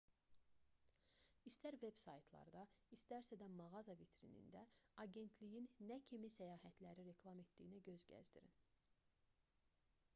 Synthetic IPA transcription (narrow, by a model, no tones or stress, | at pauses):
ist̪æɾve̞bsɑjt̪ʰlˠɑ̰ɾd̪ɑist̪æɾsæd̪æmɑɣɑzɑvit̪ɾinḭnd̪æɑɟe̞nt̪ʰlijinːæcʰimisæjɑːɦæt̪ʰlæɾiɾe̞kʰlˠɑme̞t̪d̪ijinæɟø̞zɟæ̰zd̪ḭɾḭn